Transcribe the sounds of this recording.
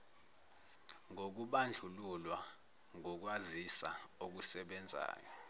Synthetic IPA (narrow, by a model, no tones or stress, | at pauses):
ŋok̬uɓand͡ɮʱululwa | ŋok̬wazisaok̬usɛɓɛnd͡zʱa̰ːjɔ